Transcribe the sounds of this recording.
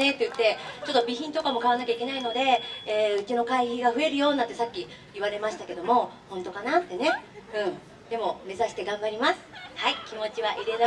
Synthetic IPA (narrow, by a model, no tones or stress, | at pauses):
et̪ːejɯ̟t̪ːe̞t͡ɕo̞t̪ːo̞bʲiçĩnt̪o̞kamo̞kaβanakʲaikʲe̞naino̞d̪e̞eːɯ̟t͡ɕino̞kaiçiɡaɸɯ̟e̞ɾɯ̟jo̞ːnːãt̪ːesakʲːi | iβaɾe̞maɕi̥t̪ake̞d̪o̞mo̞hõ̞nt̪o̞kanat̪ːe̞ne̞ɯ̟̃ɴ | d̪e̞mo̞me̞zaɕi̥t̪e̞ɡãmbaɾʲimasɨ̥haikʲimo̞t͡ɕiβaʔiɾe̞ɾa